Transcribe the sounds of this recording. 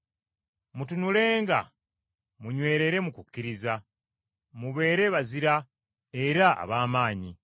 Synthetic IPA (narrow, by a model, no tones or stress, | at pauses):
mutunule̞ːŋɡa̰ | muɲwe̞ːɾe̞ɾe̞mukukːiɾiza | muβe̞ːɾe̞βaziɾa | e̞ɾaa̰βaːmaːɲi